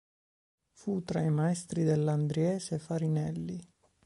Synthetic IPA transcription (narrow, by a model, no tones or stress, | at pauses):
fut̪ɾaimaɛst̪ɾid̪elːand̪ɾiɛːsefaɾinɛlːi